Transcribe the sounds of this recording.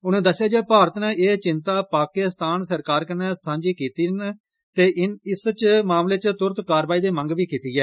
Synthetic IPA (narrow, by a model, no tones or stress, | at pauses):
ʊnẽːd̪əsːɪjaːd͡ʒeːpaːɾət̪nɛ̃ːʔeːt͡ʃɪnt̪aːpaːkɪst̪aːnsəɾkaːɾkənɛːsãːɲd͡ʒiːkiːt̪iːn | t̪eːʔɪnɪst͡ʃmaːmleːt͡ʃt̪ʊɾt̪kaːɾʋaːiːd̪eːmə̃ŋɡʋiːkiːt̪iːɡɛː